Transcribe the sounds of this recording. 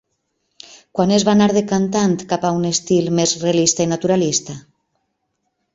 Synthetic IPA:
kwanezβanaɾðekant̪̬ant̪kapaunest̪ilmezrealist̪ainat̪uɾalist̪a

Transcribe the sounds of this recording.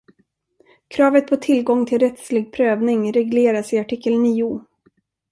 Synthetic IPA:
kʰɾɑːvət̪̚pʰɔt̪ʰɪlɡɔŋːt̪ʰɪlɾɛt̪slɪɡ̚pʰɾøːvnɪŋɾɛɡleːɾasɪaʈʰɪkːəlniːʊ

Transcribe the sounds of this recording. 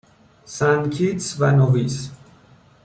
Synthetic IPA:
sænkʰit̪svænovis

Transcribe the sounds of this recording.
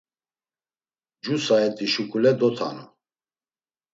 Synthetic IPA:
d͡ʒusaɛt̪ʼiʃukʼulɛd̪ɔt̪ʰa̰nɔ

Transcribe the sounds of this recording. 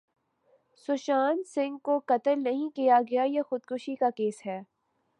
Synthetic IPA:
sʊʃaːnsɪ̃ŋɡkokɐt̪əlnɐɦĩkijaɡɐjajexʊd̪kʊʃikakeːsɦɛː

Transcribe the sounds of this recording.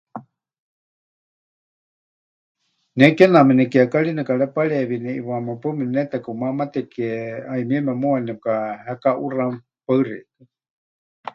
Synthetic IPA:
nɛkɛnamɛnɛkiakaɺinɛkaɺɛpaɺɛβinɛḭwamapəmɛnɛt̪ɛkɨmamat̪ɛkɛaimiɛmɛmuanɛkahɛkaʔura | paɨrɛ̰kɨ

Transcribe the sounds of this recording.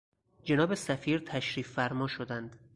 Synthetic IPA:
d͡ʒe̞nɒːbesæfiːɾt̪ʰæʃɾiːfːæɾmɒːʃod̪ænd̪̥

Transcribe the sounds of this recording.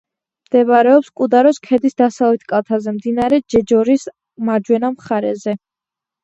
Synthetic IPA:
md̪̥ɛvaɾɛɔpskʼud̪aɾɔskʰɛd̪isd̪asalˠlit̪ʰkʼalˠt̪ʰazɛmd̪inaɾɛd͡ʒɛd͡ʒɔɾis | maɾd͡ʒwɛnamχaɾɛzɛ

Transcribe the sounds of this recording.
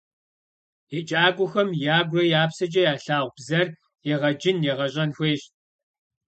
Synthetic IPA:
jet͡ʃʼaːɡʷʊxɐmjaːɡʷrɐjaːpsɐd͡ʒʼɐjaːɬaːʁʷb̥zɐr | jɛʁɐd͡ʒɪnjɛʁɐɕʼɐnxʷeːɕ

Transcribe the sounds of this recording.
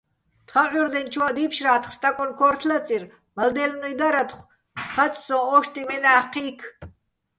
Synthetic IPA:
t̪χaʕuɾd̪ɛnt͡ʃʰwad̪ipʰʃraːt̪ʰχst̪ʼakʼɔnkʰɔrt̪ʰlat͡sʼir | mald̪ɛlnujd̪aɾat̪χʷ | χat͡ʃʼsɔ̃ɔʃt̪ʰʼimɛnaːqʰiːkʰ

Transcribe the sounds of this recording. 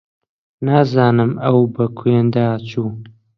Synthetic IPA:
naːzaːnɨmɐwbɐkʰwend̪aːt͡ʃʰuː

